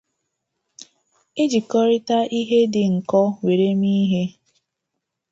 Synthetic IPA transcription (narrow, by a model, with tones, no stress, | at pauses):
ɪ˦d͡ʒi˨kɔ˦ɾɪ˦ta˦ʔi˦ɦe˦dɪ˨ŋ̩˨kɔ˦we˨ɾe˦mi˦ɦe˦